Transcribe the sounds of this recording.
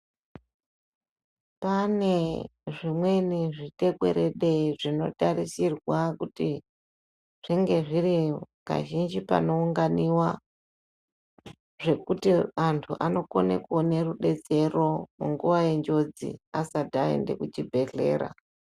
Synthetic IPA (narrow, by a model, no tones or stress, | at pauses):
pane̞ʐimwe̞niʐite̞kwe̞̰ɾe̞ɗe̞ʐino̞̰tarisirwakuti | ʐ̥iŋɡe̞ʐiri | ka̰ʒind͡ʒipa̰no̞uŋɡaniwa | ʐe̞kutiantʰuʔano̞ko̞̰nḛkuone̞ruɗe̞t͡se̞ro̞muŋɡuʋaje̞nd͡ʒo̞d͡zḭasadʱaḛnde̞̰kut͡ʃibʱe̞ɮe̞̰ːɾa̰